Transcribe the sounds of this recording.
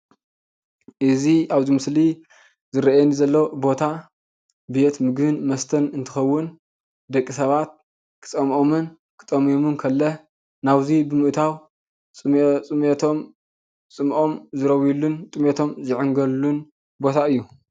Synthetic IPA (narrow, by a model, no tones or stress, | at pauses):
ʔɨziaβzimɨsli | zɨɾɐʔjenizɐlːɐwbo̞t̪ʰa | be̞t̪mɨɡhɨnmɐst̪ʰɐnɨnt̪ʰɨxɐwːʊn | d̪ɐkʼːisɐβat̪̚ | kʰɨ̥t͡sʼɐmʔomɨn | kʰɨ̥t͡sʼɐmomɨnkʰɐlːɐ | naβzibɨmɨʔt̪ʰaw | t͡sʼt͡sʼɨmet̪ʰom | t͡sʼɨmʔo̞mzɨɾɐwjulːunt̪ʼɨmet̪ʰo̞mzɨʕɨŋɡɐlːun | bo̞t̪ʰaɨjːu